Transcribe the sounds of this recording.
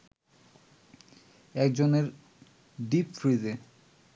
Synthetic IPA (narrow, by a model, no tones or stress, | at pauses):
ɛkd͡ʑoneɾ | ɖipfɾid̪e